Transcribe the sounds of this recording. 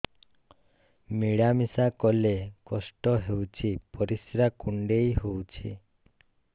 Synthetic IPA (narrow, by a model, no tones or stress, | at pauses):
miɽamisakɔlekɔsʈɔɦewt͡ʃʰipɔɾisɾakuɳɖejɦowt͡ʃʰḭ